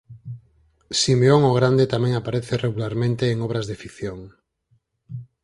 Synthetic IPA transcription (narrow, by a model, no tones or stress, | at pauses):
simeoŋoɣ̞ɾand̪et̪amɛ̃ŋapaɾeθereɣulaɾmẽnt̪eːŋɔβ̞ɾazðefikθjoŋ